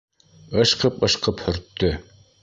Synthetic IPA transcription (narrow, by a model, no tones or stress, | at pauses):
ɤ̆ʃqɤpɤ̆ʃqɤphɵ̆ɾt̪ːɵ